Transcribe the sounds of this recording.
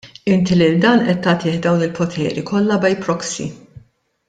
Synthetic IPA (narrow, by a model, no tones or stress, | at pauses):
ɪnt̪ilɪld̪ɐːnʔɛt̪ːɐt̪ɪːħd̪ɐwnɪlpʰɔt̪ʰɛ̰ːɾikʰɔlːɐbɛjpɾɔksḭ